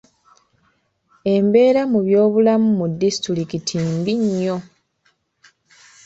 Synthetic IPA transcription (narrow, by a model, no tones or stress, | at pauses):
e̞mbe̞ːɾamuβjo̞ːβulamumudːisi̥tuɾikitʰimbiɲːo̞